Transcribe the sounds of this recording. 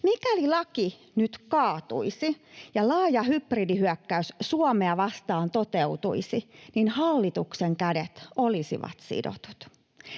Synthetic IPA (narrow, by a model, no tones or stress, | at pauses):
mikælilɑki | nyt̪kɑːt̪ṵisijɑlɑːjɑhypridihyœkːæyssuɔmeɑʋɑst̪ɑːnt̪ot̪eut̪uisininhɑlːit̪ukseŋkædet̪olisḭʋɑ̰t̪sḭdo̰t̪u̥t̪